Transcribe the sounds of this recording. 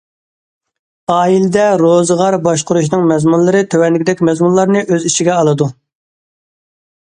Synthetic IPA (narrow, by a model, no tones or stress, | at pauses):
ɑːilɪd̪ɛɾozəʁɑɾbɑʃqʊɾuʃnɨŋmɛzmunlˠɨɾɨt̪ʰøwɛnlːɪkʲd̪ɛkʲmɛzmunlˠɑɾnɨʔøziʃiɡʲɛɑlˠɨd̪u